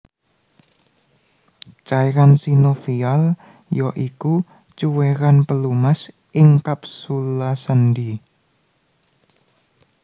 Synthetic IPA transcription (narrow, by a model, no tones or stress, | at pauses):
t͡ʃajɾansinofial | jɔʔiku | t͡ʃuweɾanpəlumas | ʔɪŋkap̚sulasənɖi